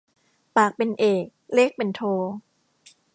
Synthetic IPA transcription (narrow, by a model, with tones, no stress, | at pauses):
paː˨˩k̚pe˧nʔeː˨˩k̚leː˥˩k̚pe˧nt̪ʰoː˧